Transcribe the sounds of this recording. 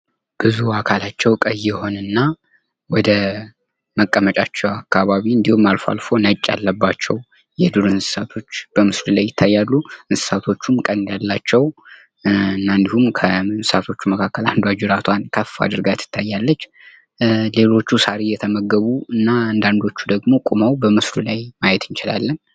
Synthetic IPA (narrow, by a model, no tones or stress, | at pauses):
b̥ɨzuakʰalat͡ʃːɛwkʼəjɛho̞nɨnːa | wɔd̪ə | məkʼːəmət͡ʃʼat͡ʃːɛwakːaβaβiɨnd̪ihumːalfa̰lfo̞nət͡ʃʼːa̰lːəbːat͡ʃːɛw | jɛd̪ɨɾɨnsɨ̥sat̪ʰo̞t͡ʃːb̥əmɨslɨlajːɪt̪ʰːajːalːuʔɨnsɨ̥sat̪ʰo̞t͡ʃːumkʼənd̪jalːat͡ʃːɛw | ɨnːaɨnd̪ihumkʰənsɨsat̪ʰo̞t͡ʃːuməkʰakːəland̪wad͡ʒuɾat̪ʰwankʰəfːa̰d̪ɨɾɡat̪ʰːɨ̥t̪ʰːajːalːət͡ʃː | le̞lo̞t͡ʃːusaɾijɛt̪ʰəməɡːəβuɨnːaɨnd̪and̪o̞t͡ʃːud̪əɡmo̞kʼumawbəmɨslulajmajɛt̪ʰɨnt͡ʃɪla̰lːən